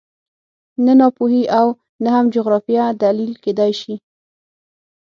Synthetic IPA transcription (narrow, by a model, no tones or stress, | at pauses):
nanɑpuhiʔaw | nahamd͡ʒʊɣɾɑfijad̪alilked̪ajʃi